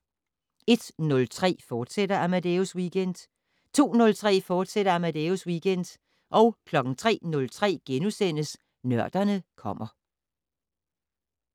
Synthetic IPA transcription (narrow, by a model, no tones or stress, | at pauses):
e̝d̥nɔ̽lt͡sʰʁɛ̰ːfɒːd̥sed̥ɐæmæd̥euswiɡ̥en̰d̥ | t͡sʰo̝̰ːnɔ̽lt͡sʰʁɛ̰ːfɒːd̥seɾ̥ɐæmæd̥euswiɡ̥en̰d̥ | ʔɒ̽ʊkʰlɒ̽ɡ̥n̩t͡sʰʁɛ̰ːnɔ̽lt͡sʰʁɛ̰ːɡ̥enusen̰əs | nɶɐ̰d̥ɐnəkʰɒ̽m̰ɐ